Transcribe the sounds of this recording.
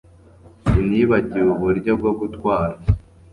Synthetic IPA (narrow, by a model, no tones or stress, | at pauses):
imɲiːβaɟiuβuɾɟo̞bɡo̞ɡutkwaːɾa